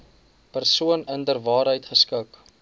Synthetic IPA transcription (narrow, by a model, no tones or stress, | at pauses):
pərsuənəndərvɑːɾɦəjtχəskək